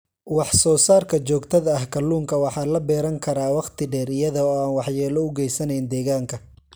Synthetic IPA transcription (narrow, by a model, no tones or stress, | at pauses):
wɑħsɔːsaːrkʰɐt͡ʃɔːɡt̪ʰɐðɐːhkʰɐluːŋkʰɐwɑħɑːlɐbɛːɾɐŋkʰɐɾaːwɑqt̪ʰɪɖɛːɾɪjɐðɔːaːnwɑħjɛːlɔʊɡɛjsɐnɛjnd̪ɛːɣaːŋkʰɐ